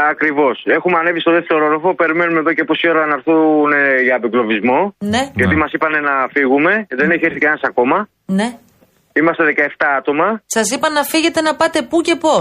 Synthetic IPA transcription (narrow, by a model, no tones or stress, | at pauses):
ɐkɾivo̞se̞xumeɐne̞vist̪o̞ðeθçoɾoɾofo̞pe̞ɾime̞nume̞ðo̞ceposioɾɐnɐɾθuneʝɐːbiklo̞vizmo̞ne̞ʝɐt̪imɐsipɐne̞nɐfiɣume̞ðe̞neçieɾθikɐnɐsɐko̞mɐ | ne̞ | imɐst̪e̞ðe̞kɐe̞ft̪ɐɐt̪o̞mɐsɐsipɐnɐfiʝe̞t̪e̞nɐpɐt̪e̞puce̞po̞